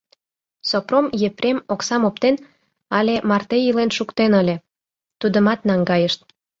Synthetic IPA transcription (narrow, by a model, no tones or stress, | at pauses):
sopromjepɾʲemoksɑmopt̪en | ɑlʲemɑrt̪ejilenʃukt̪enəlʲe | t̪ud̪əmɑt̪nɑŋɡɑjəʃt̪̚